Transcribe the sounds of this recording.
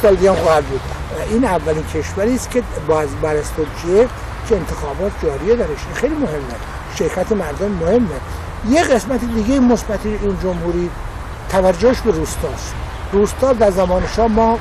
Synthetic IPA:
ɑld̪ijɑːmxɒːhæd̪̚buːd̪ʔiːnævːæliːncʰe̞ʃvæɾiːst̪cʰebɒːzbæɾæst̪od̪d͡ʒie | kʰeent̪ʰexɒːbɒːt̪ʰd͡ʒɒːɾied̪æɾeʃixejliːmohe̞mːæs | ʃeɾkʰæt̪ʰemæɾd̪omːohe̞mːe | jeɣe̞smæt̪ʰed̪iɡeimosbæt̪ʰiiːnd͡ʒomhuːɾi | t̪ʰævæɾd͡ʒːoheʃbeɾuːst̪ɒːst̪ | ruːst̪ɑːd̪æɾzæmɒːneʃɒːmɒː

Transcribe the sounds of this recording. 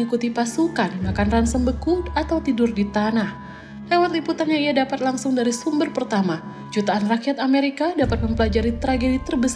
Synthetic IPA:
ikut̪ipasukanmakanransəmbəkudat̪awt̪idʊrdit̪anah | lewat̪̚liput̪anɲaiadapat̪laŋsʊŋdaɾisumbərpərt̪ama | d͡ʒut̪aːnrakijat̪ameɾikadapat̪̚məmpəlad͡ʒaɾit̪ɾaɡedit̪ərbəs

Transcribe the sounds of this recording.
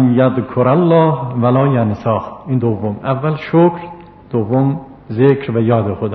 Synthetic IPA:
njæðkʰoɾalːɑːhvælɑːjansɑːxind̪ovːomʔævːælʃokʰɾ | d̪̥ovːom | zekɾvæjɒːd̪exod̪ː

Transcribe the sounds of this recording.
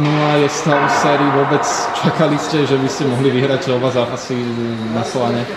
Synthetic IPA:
nulajɛst̪alsɛːɾiːʋʊɔbɛt͡st͡ʃakaliscɛʒɛʋiscɛmɔɦliʋiɦɾacɔbazaːpasi | naslaɲɛ

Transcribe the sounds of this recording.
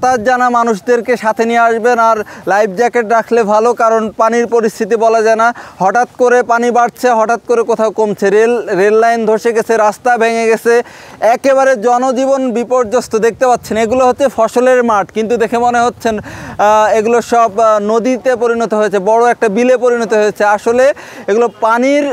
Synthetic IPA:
t̪ad͡ʑanamanuʃd̪eɾkeʃat̪ʰenijeaʃbenaɾlajb̚ʰd͡ʑɛkeʈɾakʰlebʱalokaɾonpaniɾpoɾist̪ʰit̪̬ibɔlad͡ʑaenahɔʈat̪koɾepanibaɽt͡ɕʰeɦɔʈat̪̚koɾekot̪ʰaokomt͡ɕʰeɾelɾelːajnd̪ʱoʃeɡet͡ɕʰeɾast̪abʱeŋeɡet͡ɕʰe | ɛkeβaɾed͡ʑɔnod͡ʑibonbipoɾd͡ʑost̪od̪ek̚t̪epat̪ːɕʰeneɡuloɦotːʰefʰɔʃoleɾmaɾʈkint̪̬ud̪ekʰemoneɦotːɕʰen | eɡuloʃɔbnod̪it̪epoɾinot̪oɦojet͡ɕʰebɔɽoɛk̚ʈabilepoɾinot̪oɦojet͡ɕʰeaʃoleeɡulopaniɾ

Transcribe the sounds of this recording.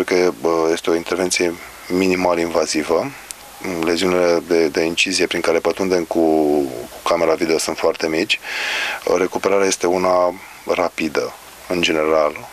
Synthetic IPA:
ɾekəje̞st̪eo̞int̪e̞rvet̪sije̞ | minimaləinvazivə | le̞ziunile̞d̪e̞d̪e̞int͡ʃizije̞pɾiŋkaɾe̞pət̪und̪e̞mku | kame̞ɾavid̪eosunt̪foart̪e̞mit͡ʃʲ | re̞kupe̞ɾaɾeaje̞st̪e̞una | rapid̪ə | ɨnd͡ʒe̞ne̞ɾal

